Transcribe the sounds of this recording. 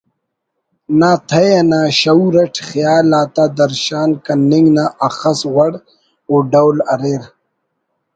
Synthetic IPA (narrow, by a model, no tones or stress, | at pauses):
naːt̪ʰɐjanaːɕɐuɾɐʈʰxijaːlaːt̪aːd̪ɐɾɕaːnkɐniŋɡnaʔɐxɐswɐɽ | oːɖɐwlɐɾeːɾ